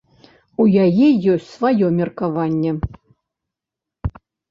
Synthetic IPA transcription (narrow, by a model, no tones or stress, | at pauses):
ujajɛjɔsʲtʲsvajɔmʲɛrkavanʲːɛ